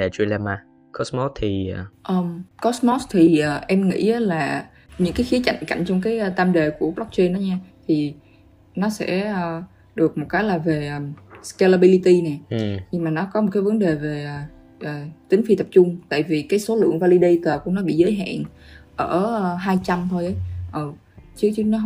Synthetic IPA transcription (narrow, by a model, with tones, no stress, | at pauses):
ɗɛ˨˩t͡ɕwi˧lɛ˧maː˧˩ | kɔ˨˦˥smɔ˦˥t̪ʰi˨˩˨ʔəː˨˧˩mkɔ˦smɔ˦˥st̪ʰi˨˩ʔəː˨˩ʔɛ˧mŋḭ˧˥ʔaː˨˦laː˨˩ | ɲɨ̰˧˥ŋkaː˨˦jxi˨˦ət͡ɕa̰˧˨jŋka̰˧˨jŋ̟t͡ɕɔ˧wŋ͡mkaː˨˦jəː˧t̪aː˧mɗe˨˩ku˧˩əklɔ˦˥k̚t͡ɕe˧nːɔ˨˦ɲaː˧t̪ʰi˨˩ | nɔ˨˦sɛ̰˧˥əː˨˩ | ɗɨ˨˩ək̚mo˨˩t̚kaː˨˦jlaː˨˩ve˨˩ʔəː˨˩ska˧la˧ɓi˧li˧t̪i˧nɛ˨˩ɲi˧maː˨˩nɔ˨˦kɔ˨˦mo˨˩t̚kaː˨˦jvə˨˦nɗe˨˩veː˨˩˨ | ʔəː˨˩t͡ɕ̪ï˨˦ŋ̟fi˧t̪ə˨˩p̚t͡ɕʊ˧ŋ͡mt̪a̰ː˧˨jvi˨˩kaː˨˦jso˨˦lɨ̰˧˨əŋvaː˧li˧ɗe˧jt̪əː˨˩ku˧˩ənɔ˨˦ɓḭ˧˨zəː˨˦jɦa̰ː˧˨nʔəː˧˩˨ɦaː˧jt͡ɕa˧mt̪ʰo˧jʔə˨˦jʔəː˨˩ | t͡ɕɨ˦˥ət͡ɕɨ˦˥ək̚nɔ˨˦